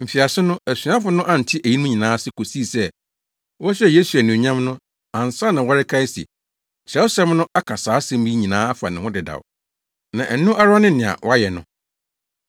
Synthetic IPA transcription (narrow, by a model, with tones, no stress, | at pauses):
m̩˨fi˨a˨sɪ˦nʊ̃˦æ˨sɥ̃ã˦fʊ˦nʊ̃˦ʔã˦n̩˨tʰɪ˦ʔæ˨ji˦nʊ̃˦ɲĩ˨nãː˨˦sɪ˦kʰo˨si˦˨sɛ˦ | wɔ˦ɕᶣɛ˦˨je˦su˨æ˨nĩ˨ɲã˦mnʊ̃˦ | ã˨n˨sa˦nã˨wɔ˦ɾɪ˦kʰa˦ɪ˦sḭ˨ | ɕɛ˨˦wʊ˦sɛ˦mnʊ̃˦ʔa˦kʰa˨saː˨˦sɛ̃˦m˦bi˦ɲĩ˨nãː˨˦a˦fa̰˨nɪ̃˨wʊ̃˦dɪ˨da̰˨w | nã˨ʔɛ˨nũ˦ʔa˦ɾʊ˦a˦nɪ̃˦nɪ̃˨a̰˨wʔɔ˦a˦jɛ˨nʊ̰̃˦